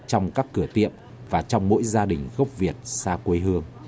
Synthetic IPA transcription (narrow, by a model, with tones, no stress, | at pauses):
t͡ɕɔ˧wŋ͡mkaː˦˥kːɨ˧˩ət̪ḭ˧˨əm | vaː˨˩t͡ɕɔ˧wŋ͡mmo̰˧˥jzaː˧ɗï˨˩ŋ̟ɣə˦˥wp̚vi˨˩ət̚saː˧kwe˨˦jɦɨ˧əŋ